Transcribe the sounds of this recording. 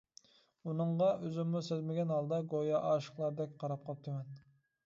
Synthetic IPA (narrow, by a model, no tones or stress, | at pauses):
unɨɴʁɑøzymːusezmɪɡʲɛnhɑlˠd̪ɑɡojɑʔɑʃə̥χlˠɑɾd̪ɛkʲqʰɑɾɑp̚qʰɑt̪ʰɪmɛn